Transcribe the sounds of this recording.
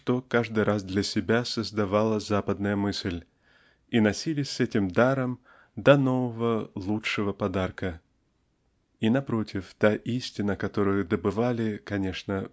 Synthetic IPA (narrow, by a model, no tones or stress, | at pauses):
ʂt̪o̞kaʐd̪ɨjɾʔasd̪lʲɐsʲɪbʲasəzd̪ɐvalˠəzapəd̪nəjəmɨsʲlʲ | inɐsʲilʲɪsʲɛtʲɪmd̪aɾəm | d̪ɐno̞vəvəlˠuʂɨvəpɐd̪arkə | inɐpɾo̞tʲɪft̪aʔisʲtʲɪnəkɐt̪o̞ɾʊjʊd̪əbɨvalʲɪkɐnʲe̞ʂnə